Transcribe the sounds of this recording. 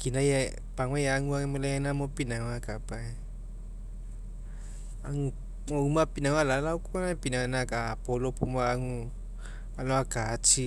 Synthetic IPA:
kinaja | paŋwajaŋuamolaanamopinaŋwakapae | aŋu | moumapinawalalaukɔnapinanakapolopumaaŋu | alawakat͡ʃi

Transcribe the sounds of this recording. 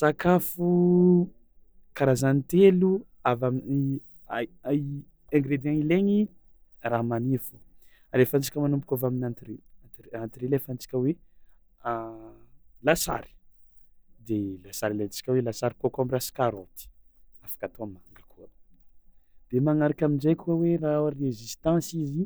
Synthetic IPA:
sakafu | kaɾazanit̪elu | avami | a | eŋɡɾed̪iaŋileŋi | ramanifu | aɾefant͡si̥kʲəmanumpukʲavaminant̪irearant̪iɾelefant͡si̥kʲəwe | lasa̰ɾi̥ | d̪elasaɾilat͡si̥kʲəwelasaɾikuakamirasi̥kaɾot̪i̥ | afḁkat̪omaŋɡəkuə | d̪̥emaŋaɾakʲaminzajkuəweraaɾezist̪ɑ̃sizi

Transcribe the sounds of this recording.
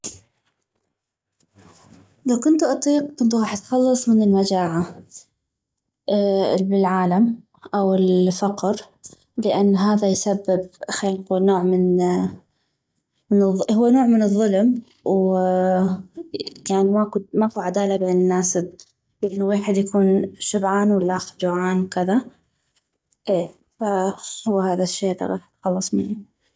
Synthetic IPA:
lawkʊnt̪ʔɑt̪ˤiːq̚t̪ɪnt̪ˤɣɑːħt̪xɑlːɑsˤmɪnɪlmad͡ʒaːʕa | bɪlʕaːlam | ʔawɪlfɑqɾ | lɪʔanːɦaːðajsabːɪb̚xanquːlnoːʕmɪn | mɪnɨðˤːhʊwːanoːʕmɪnɨðˤːʊlm | w | jaːnmakmakuʕad̪aːlabenɪnːaːsɪb̚ | lʔɪnːuweːħɪd̪jakuːnʃʊbʕaːnwɪlːaʔaxd͡ʒʊʕaːnwkɪða | ʔeː | fahʊwːhaːðaʃːeːla̰ɣɑ̰ːħt̪xɑlːɨsˤmɪnːi

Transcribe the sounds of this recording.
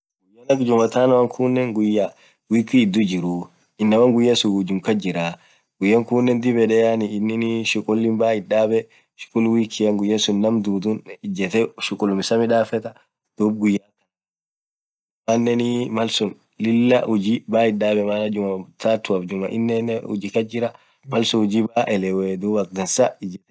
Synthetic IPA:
ɡʊjːɐnɐkd͡ʒʊmɐt̪aːnɐwɐŋkʰunːɛŋɡʊjːa | wiːkːiːd̪ːʊd͡ʒɪɾu | ɪnːɐwɐŋɡʊjːɐsʊd͡ʒʊŋkɐd͡ʒɪɾaː | ɡ̥ʊjːɐŋkuːnːɛnd̪ɪbɛᶑɛannːɪnʃʊkʼʊlːɪnbaːhɪᶑaːbɛ | ʃkʼʊlwiːkːɪjɐŋɡʊjːɐsʊnːɐmd̪uːd̪unɪd͡ʒɛt̪ɛʃʊkʼʊlmɪsɐmɪᶑaːfɛt̪ɐ | d̪̥uːb̚ɡʊjːakɐ̥ | manːɛnɪmɐlsʊn | lɪlːɐʔʊd͡ʒibaːhɪɗaːbɛmaːlɐd͡ʒʊmɐt̪ʰaːt̪ːʊɐfd͡ʒʊmɐʔɪ̰nːɛnɛʊ̰d͡ʒikɐd͡ʒɪɾɐ | mɐlsʊʊd͡ʒiːbaːʔɛlɛwɛd̪uːbɐk̚d̪ɐnsaɪd͡ʒɛt̪ɛ̥

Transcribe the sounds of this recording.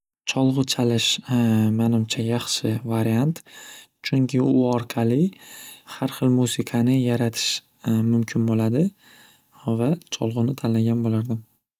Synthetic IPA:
t͡ʃʰɒlˠʁɨt͡ʃʰalɪʃmanɪmt͡ʃʰajɑχʃɪvaɾijant̪ | t͡ʃʰʊŋkʲʰɪʊɒɾqʰɑlɪ | haɾχɨlˠmusɪkʰanɪjaɾat̪ʰɪ̥ʃ | mʊmkʲʰɪnbolad̪ɪ | vat͡ʃʰɒ̰lˠʁɨnɪt̪ʰalːaɡʲanbolaɾd̪ɪm

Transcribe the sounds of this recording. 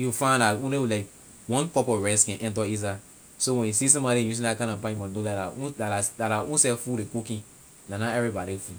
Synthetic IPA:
jufãndatũnewlaɪk | wɔ̃npɔpɔvɹɛskɛ̃nʔɛ̃ntɔiz̬a | sowɛ̃njusis̬ɔ̃mbɔɾĩjus̬ĩnlakãnãpãjĩmɔ̃nolaaũlaaslataũnsɛfudekukĩ | nãnãɛvɹibɔɾifu

